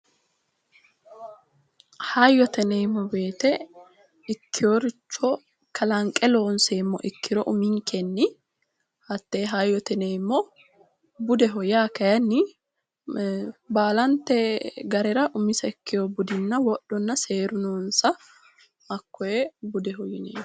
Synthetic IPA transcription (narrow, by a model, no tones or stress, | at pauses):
hajːɔt̪ɛnejmːɔbe̞ːt̪ɛ | ɪkːɪjoɾɪt͡ʃːɔ | kʰɐlɐŋkʼːɛlo̞ːnseːmːɔ̰ʔɪkːɪɾɔʔʊmɪŋkʰɛnːɪ | hɐt̪ːeːɦajːɔt̪ɛneːmːɔ | bʊd̪ɛɦɔjaːkɐjɐnːɪ | baːlɐnt̪ːɛɡɐɾɛɾɐʔʊmɪsɐɪkːɪjɔbʊd̪ɪnːɐwɔɗɔnːɐseːɾʊnoːnsɐ | ɐkːɔjɛbʊd̪ɛɦɔjɪnḛː